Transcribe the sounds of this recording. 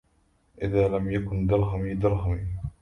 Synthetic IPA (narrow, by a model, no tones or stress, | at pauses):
ʔɪðaːlamjakʊnd̪ɑɾˤɦamiːd̪ɑɾˤɦamiː